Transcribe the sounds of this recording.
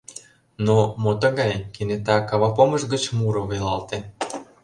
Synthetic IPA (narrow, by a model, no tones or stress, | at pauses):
nomot̪ə̆ɣɑjkenet̪ɑkɑβɑpomə̆ʒɡət͡ɕmuɾŏβelɑlt̪e